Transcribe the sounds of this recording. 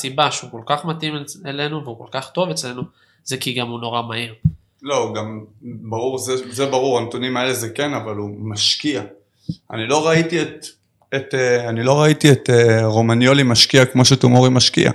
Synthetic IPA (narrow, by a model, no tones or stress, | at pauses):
sibaʃeuko̞lkaχmatimele̞nuveuko̞lkaχt̪o̞vet͡sle̞nu | z̥ekiɡamuno̞ʁamaiʁ | lo̞ɡambaʁuʁzezebaʁuʁant̪unimaelezekenavalumaʃkia | a̰nilo̞ʁait̪iet̪ | et̪eanilo̞ʁaitiet̪eʁo̞manjo̞limaʃkiakmo̞ʃetumoʁimaʃkḭa̰